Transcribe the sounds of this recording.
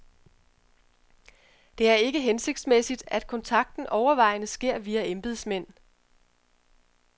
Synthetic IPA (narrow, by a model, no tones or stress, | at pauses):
d̥e̝æɐe̝ɡ̥əɦense̝ɡ̥̚d̥smesid̥æd̥̚kʰɒ̽nt͡sʰɑ̈ɡ̥̚d̥n̩ʔɒʊɐʋɑ̈ɪ̰nəsɡ̥e̝ɐ̰ʋiːæemb̥iðˠsmen̰